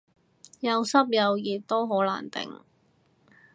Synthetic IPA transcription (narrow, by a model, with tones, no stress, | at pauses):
jɐ˨˧wsɐ˥p̚jɐ˨˧wjiː˨˩t̚t̪ːo˥wɦoː˨˥la̰ː˨˩nt̪ɪ̰˨˩ŋ